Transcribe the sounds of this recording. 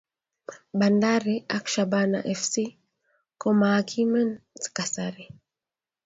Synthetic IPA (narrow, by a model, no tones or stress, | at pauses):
bandaɾiakʃabana̰ʔɛfsi | kɔmaːkʰimɛnz̥kasaɾi